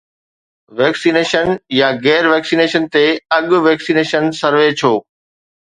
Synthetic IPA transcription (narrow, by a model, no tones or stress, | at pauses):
ʋɛːksineːʃənjaɣɛːɾʋɛːksiːneːʃənt̪eɐɠʊʋeːksiːneːʃənsɐɾʋet͡ɕʰoː